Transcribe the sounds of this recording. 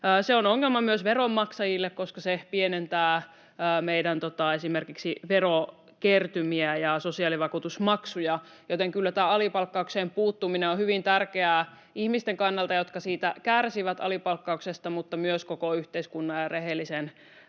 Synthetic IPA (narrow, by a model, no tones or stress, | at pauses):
seonoŋːelmɑmyøsʋeromːɑksɑjilːekkoskɑsepienent̪æː | meidænt̪ot̪ɑesimerkiksiʋero | kert̪ymiæjɑsosiɑliʋɑkuːt̪usmɑksujɑ | jot̪eŋkylːæt̪æːɑlipɑlkːɑukseːmpuːt̪ːuminenohyʋint̪ærkeæː | ihmist̪eŋkɑnːɑlt̪ɑjot̪kɑsiːt̪ækærsiʋæt̪ɑ̰lipɑlkːɑuksest̪ɑmut̪ːɑmyøskokoyht̪eiskunːɑjjɑreɦelːisen